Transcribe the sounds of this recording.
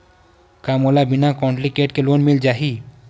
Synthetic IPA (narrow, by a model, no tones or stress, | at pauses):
kamolabinakɔ̃ɳʈlikeʈkelonmild͡ʒaɦi